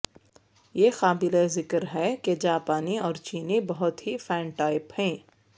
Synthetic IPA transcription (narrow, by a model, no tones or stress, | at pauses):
jeːxaːbɪlezɪkəɾɦɛked͡ʒaːpaːniɔːɾt͡ʃiːnibɐɦʊt̪ɦifɛ̃ːɳʈaːɪphɛ̃ː